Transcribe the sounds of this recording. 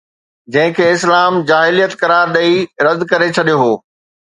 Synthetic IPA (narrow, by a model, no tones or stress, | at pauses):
d͡ʑɐ̃ɦɪ̃kʰeːɪslaːmd͡ʑaːɦɪlijət̪kɐɾaːɾɗɐiɾɐd̪kɐɾet͡ɕʰɐɗijoɦoː